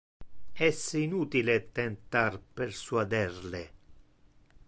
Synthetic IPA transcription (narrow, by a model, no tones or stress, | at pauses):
ɛsinuːt̪ilet̪ent̪arpersuad̪ɛrle